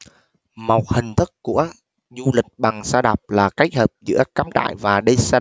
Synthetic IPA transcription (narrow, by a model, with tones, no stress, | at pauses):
ma˨˩wk͡p̚hï˨˩ŋ̟t̪ʰɨ˦˥k̚ku˧˩ə | zu˧lï˨˩k̟̚ɓa˨˩ŋsaː˧ɗa˨˩p̚laː˨˩ka˦˥jk̚həː˨˩p̚zɨ̰˧˥əkaː˨˦mt͡ɕa̰ː˧˨jvaː˨˩ɗə˧saː˧